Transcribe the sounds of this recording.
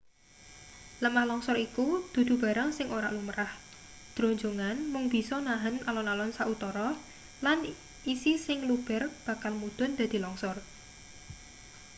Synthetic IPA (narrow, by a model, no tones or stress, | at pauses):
ləmahlɔŋsɔɾikud̪̥ṳd̪̥ṳba̤ɾaŋsɪŋoɾa̰ʔluməɾah | d̪̥ɾo̤ɲd͡ʒoŋanmʊŋb̥i̤sɔnaɦənʔalɔnalɔnsaʔut̪ɔɾɔ | lan | isisɪŋlub̥ɛrb̥a̤kalmud̪̥ʊ̤nd̪̥a̤d̪̥i̤lɔŋsɔr